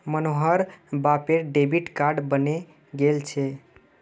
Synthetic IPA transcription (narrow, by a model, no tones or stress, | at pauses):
mənoɦəɾbapeɾɖebiʈkaɾɖbəne | ɡelt͡ʃʰe